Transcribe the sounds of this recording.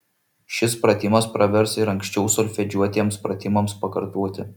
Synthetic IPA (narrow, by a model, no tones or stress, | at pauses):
ʃʲɪspɾɐt̪ʲɪmɐspɾɐʋʲɛɾsɪɾɐŋʲkʲsʲt͡ʃʲɛʊsɔlʲfʲɛd͡ʒʲuɔt̪ʲiɛmspɾɐt̪ʲɪmɐmspɐkɐɾt̪uɔːt̪ʲɪ